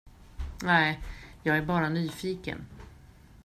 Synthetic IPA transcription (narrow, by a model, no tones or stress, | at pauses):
nɛjɑːɡæɾbɑːɾanyːfiːkə̰n